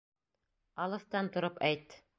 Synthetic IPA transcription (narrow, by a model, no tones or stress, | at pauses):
ɑlˠɤ̆θt̪ɑnt̪ŏɾɤpæjt̪